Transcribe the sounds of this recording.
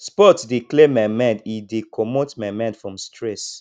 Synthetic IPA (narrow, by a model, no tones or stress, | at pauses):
spɔtdiklemamɛ̃ndidekʰɔmotmamɛ̃ndfɹɔ̃mstɹɛs